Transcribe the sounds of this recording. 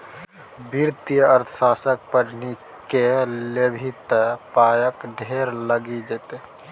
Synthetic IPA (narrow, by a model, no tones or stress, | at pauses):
biɾt̪ijəəɾt̪ʰəʃaːsək̚pəɾni | kelebʱit̪paːjəkɖʱeːɾləɡid͡ʒet̪e